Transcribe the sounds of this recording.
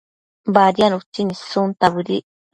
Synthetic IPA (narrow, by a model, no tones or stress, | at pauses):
baɾianut͡ʃinisunt̪aβɨɾḭ